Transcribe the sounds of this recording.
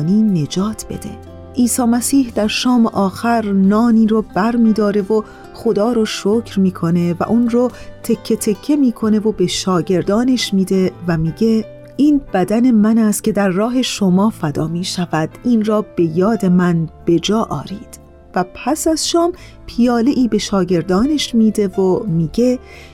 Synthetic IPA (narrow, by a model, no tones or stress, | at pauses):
niːne̞d͡ʒɒːt̪ʰb̥e̞̰d̪e̞̰ | ʔiːsɒːmæsiːhd̪̥æɾʃɒːmeʔɒːxæɾnɒːniːɾoːb̥æɾmiːd̪ɒːɾe̞vo | xo̞d̪ɒːɾoʃoːcʰɾmiːkʰo̞ne̞væ̰ʔunrot̪ʰe̞kcʰːe̞t̪ʰe̞cʰːe̞miːkʰo̞ne̞vobe̞ʃɒːɟe̞ɾd̪ɒːne̞ʃmiːd̪e̞væmiːɟe̞ | ʔiːnb̥æd̪æne̞mænæst̪cʰe̞d̪æɾːɒːɦe̞ʃo̞mɒːfæd̪ɒːmiːʃævæd̪̥iːnrɒːb̥e̞jɒːd̪e̞mænb̥e̞d͡ʒɒːʔɒ̰ːɾiːd̪̥ | væpʰæsæzʃɒːm | pʰijɒːle̞ʔiːbe̞ʃɒːɟe̞ɾd̪ɒːne̞ʃmiːd̪e̞vomiːɟe̞